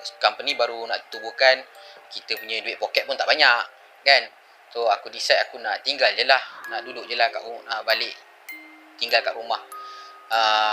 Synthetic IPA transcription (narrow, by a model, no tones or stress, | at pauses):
kampənĩbaɾunaʔt̪ubukankit̪əpuɲaduɪʔ̚pokɛt̪̚pʊnt̪aʔbaɲaʔ | kan | soakudisajakunaʔt̪iŋɡald͡ʒəlahnaʔduduʔd͡ʒəlaka̰ʔuəbalɪʔ | t̪iŋɡalkaʔɾumah | ə